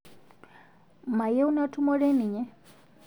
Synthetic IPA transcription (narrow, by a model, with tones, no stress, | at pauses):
ma˨jɛ˦u˦na˦tʰu˦mɔ˦ɾɛ˦ni˨ɲɛ˦